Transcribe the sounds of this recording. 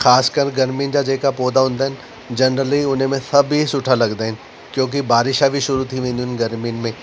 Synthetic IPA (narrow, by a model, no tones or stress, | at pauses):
xaːskəɾɡɐɾmiʊnɪ̆d͡ʑad͡ʑeːkapoːd̪aɦũːnd̪aːɦɪnɪ̆ | d͡ʑɐnɾəliʊn̤mẽsɐbʱɦisʊʈʰalɐɡd̪aːɦɪnɪ̆ | kjõːk̬ibaːɾɪʃabʱiʃʊɾut̪ʰiʋẽːn̆d̪iɦnɪɡɐɾmiʊnɪ̆mẽ